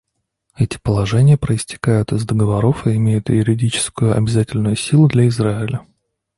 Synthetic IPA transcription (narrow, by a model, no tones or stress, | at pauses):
ɛtʲɪ̥pəlˠɐʐɛnʲɪjəpɾəɪsʲtʲɪ̥kajʊt̪ɪzd̪əɡəvɐɾo̞fɪɪmʲejʊt̪jʊɾʲɪdʲit͡ɕɪ̥skʊjʊɐ̰bʲɪzatʲɪlʲnʊjʊsʲilˠʊd̪lʲɐɪzɾaɪlʲə